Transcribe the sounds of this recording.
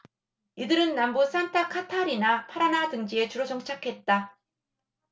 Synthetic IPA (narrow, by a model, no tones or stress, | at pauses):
idɯɾɯnːambus͈ʰantʰakʰatʰaɾinapʰaɾanatɯŋd͡ʑie̞t͡ɕuɾod͡ʑʌŋt͡ɕʰakʰe̞t̚t͈a